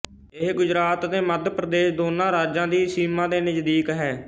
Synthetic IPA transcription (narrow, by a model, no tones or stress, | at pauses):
eːɡʊd͡ʒɾaːt̪d̪eːməd̪pɾəd̪eːʃd̪oːnãːɾaːd͡ʒãːd̪iːsiːmãːd̪eːnəd͡ʒd̪iːkɦɛː